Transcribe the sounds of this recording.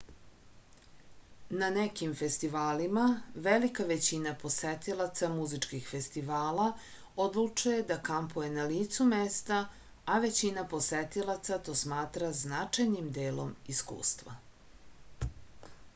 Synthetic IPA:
nanekimfest̪iʋaːlimaʋelikaʋe̞t͡ɕinapo̞set̪ilat̪samuzit͡ʂkixfe̞st̪iʋaːla | od̪lˠut͡ʂuje̞d̪akampuje̞naliːt̪sumest̪a | aʋe̞t͡ɕinapo̞set̪ilˠat̪sat̪o̞ːsmaːt̪ɾaznat͡ʂajnimd̪eːlo̞̰miskṵːst̪ʋa̰

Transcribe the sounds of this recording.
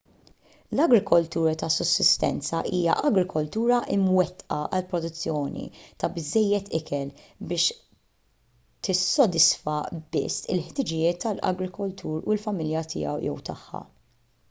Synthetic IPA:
lɐɡɾɪkʰɔlt̪uːɾɐt̪ɐsːʊsːɪst̪ɛ̰nt͡sɐʔiːjɐ̰ʔɐɡɾɪkʰɔlt̪uːɾɐʔɪmwɛt̪ːʔɐʔɐlpɾɔd̪ʊt͡sːjɔːnḭt̪ɐbɪzːɛjːɛt̪ɪkɛlbɪːʃ | t̪ɪsːɔd̪ɪsfɐbɪ̰sːɪ̰lħt̪ɪd͡ʒɪjɪːt̪ʰːɐlɐ̰ɡɾɪkɔlt̪ʰuːɾʊɪlfɐmɪljɐt̪ʰɪ̰ːɐ̰wjɛ̰wt̪ɐħːɐ̰

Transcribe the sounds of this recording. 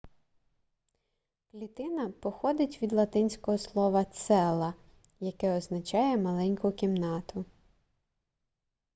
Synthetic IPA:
klʲit̪ɪnɐpɔxɔd̪ɪtʲʋʲid̪lˠɐt̪ɪnʲsʲkɔɦɔslˠɔʋɐt̪sɛlˠɐ | jɐkɛɔznɐt͡ʃɑjɛmɐlˠɛnʲkʊkʲimnɑt̪ʊ

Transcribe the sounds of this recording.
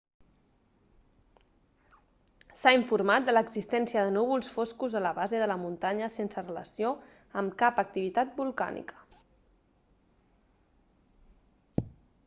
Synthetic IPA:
saiɱfuɾmat̪̚d̪ələɡzist̪ɛnsiəðənuβ̞ulˠsfoskuzələβazeðələmunt̪aɲəsensərələ̰sio | əmkapək̚t̪iβit̪at̪̚bulˠka̰nḭkə̥

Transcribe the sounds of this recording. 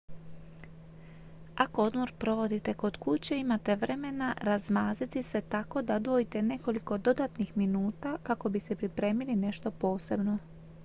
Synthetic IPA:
ako̞od̪mo̞ɾpɾo̞ʋo̞d̪it̪e̞ko̞d̪̥kut͡ɕe̞imat̪e̞ʋɾʔe̞me̞naɾazmaːzit̪ise̞t̪ako̞d̪ad̪ʋo̞jit̪e̞ne̞ko̞liko̞d̪o̞d̪at̪nixminuːt̪akako̞bise̞pɾipɾe̞ːmiline̞ʃt̪o̞po̞ːse̞bno̞

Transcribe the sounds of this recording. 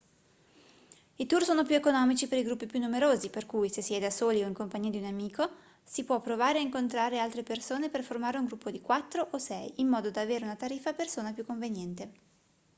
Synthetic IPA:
it̪ursoːnopjuekonɔːmit͡ʃipeɾiɡɾupːipjunːumeɾoːziperkujsesːiɛjd̪asoːlioiŋkompaɲːiːad̪iunamiːko | sipwɔpːɾovaːɾeaiŋkont̪ɾaːɾealt̪ɾepersoːneperformaːɾeuŋɡɾupːod̪ikwat̪ːɾoʔosɛjimːɔːd̪od̪aːveːɾeunat̪aɾiːfːapersoːnapjukːoɱvenjɛnt̪e

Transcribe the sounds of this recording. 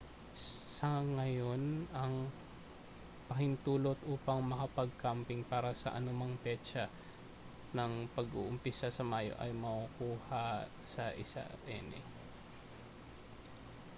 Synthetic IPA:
sɐŋɐjo̞nɐŋ | pɐhɪnt̪uːlot̪ʔuːpɐŋmɐkɐpɐɡ̚kampɪŋpaːɾɐsɐ̰ʔɐnʊmaŋpɛt͡ʃɐ | nɐŋpɐɡʔo̰ʔʊmpɪsasɐmaːjo̰ʔɐ̰jmɐʔʊkuːhɐ | sɐʔɪsa̰ʔʔɛ̰ːnɛ̰

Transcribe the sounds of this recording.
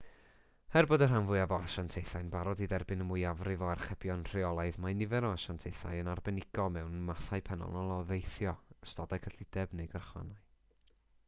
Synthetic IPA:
hɛrbɔdərɦanvʊɨavɔaʃantʰejθajnbaɾɔdidɛrbɪnəmʊjavrɪvɔarχɛb̥jɔnr̥ɪɔlˠajðmanɪvɛɾɔaʃantʰejθa̰jənarbɛnɪɡ̥ɔmɛwnmaθaɨpʰɛnɔ̰lˠnɔlˠɔvejθjɔəstɔdakʰəɬɪdɛbnejɡərχwa̰naj

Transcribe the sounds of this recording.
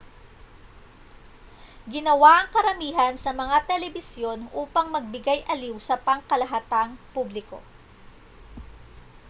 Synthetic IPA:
ɡɪnɐwaʔɐŋkɐɾɐmiːɦɐnsɐmɐŋat̪ɛlɛbɪsjo̞nʔuːpɐŋmɐɡ̚bɪɡajʔɐliwsɐpɐŋkɐlɐɦat̪aŋpublɪko̞̰

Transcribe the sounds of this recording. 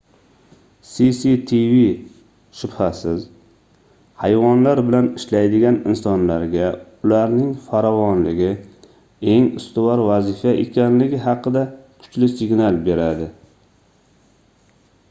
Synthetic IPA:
sisit̪ʰivi | ʃʊbhasɪz | hajvɒnlaɾbɪlanɪʃlajd̪ɪɡʲanɪnsɒnlaɾɡʲaʊlaɾnɪŋfaɾɒvɒnlɪɡʲɪ | e̞ŋʊst̪ɪwɒɾvazɪfaʔekʲʰanlɪɡʲɪɦɑqɨd̪akʰʊ̥t͡ʃlɪsɪɡnalˠbe̞ɾad̪ɪ

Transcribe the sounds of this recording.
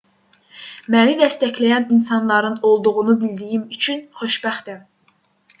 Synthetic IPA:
mænid̪æst̪æçlæjæninsɑnlˠɑɾɯno̞lˠd̪uɣunubild̪ijimyt͡ʃʰynχøʃbæxd̪æm

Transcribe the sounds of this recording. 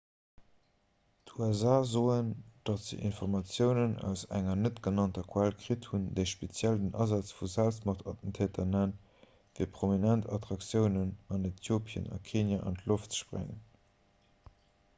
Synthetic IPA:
tʰuæzaːzoːənd̥ɑtz̥ḭʔḭnfɔʁmɑt͡sjəʊnənæ̰ʊsæ̰ŋɐnətɡ̥ənɑntɐkʰwælkʁithundeɪʃpet͡sjældənʔɑ̰zɑt͡sfuzælstmɐχtʰɑtn̩tʰɛːtʰɐnæn | viːpʁominæntɑtʁɑksjəʊnənɑnetʰjoːpʰjə̰nɑ̰kʰeːnjaʔɑ̰ntloftt͡sə̥ʃpʁæ̰ŋən

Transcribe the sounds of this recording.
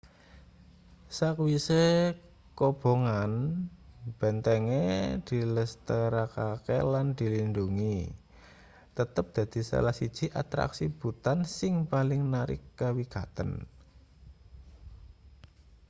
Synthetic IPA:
sakwise | kob̥o̤ŋan | b̥ɛ̤nt̪ɛŋed̪̥i̤ləst̪əɾakakḛland̪̥i̤linduŋi | t̪ət̪əp̚d̪̥a̤d̪̥i̤sa̰lahsid̥ʒ̥i̤ʔa̰t̪ɾa̰ksib̥ṳt̪ansɪŋpalɪŋnaɾɪ̰kːawiɡ̥at̪ə̰n

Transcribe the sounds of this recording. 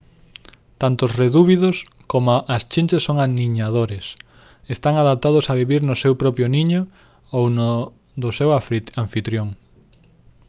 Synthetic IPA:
t̪ant̪ʊsreðuβiðʊs | komoʔast͡ʃint͡ʃesːoŋaniɲaðoɾes | est̪aŋaðap̚t̪að̞ʊsaβiβiɾnʊsewpɾɔpjʊniɲʊ | owno | d̪ʊsewaɱfit̪ɾjoŋ

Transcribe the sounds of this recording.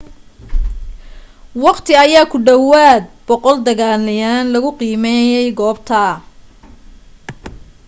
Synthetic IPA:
wɑqt̪ʰɪɐjaːkʰʊɖɐwaːd̪̚bɔqɔld̪ɐɣaːlɪjaːnlɐɣʊqiːmɛjɛjɡɔːbt̪ʰɐ

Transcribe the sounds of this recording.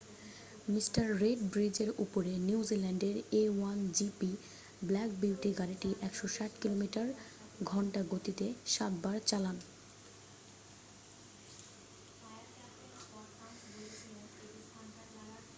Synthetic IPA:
misʈaɾːeɖbɾid͡ʑeɾupoɾeniwd͡ʑilɛɳɖeɾewand͡ʑipi | blɛk̚biwʈiɡaɾiʈiʔɛkʃoʃaʈkilomiʈaɾ | ɡʱɔɳʈaɡot̪it̪eʃat̪baɾt͡ɕalan

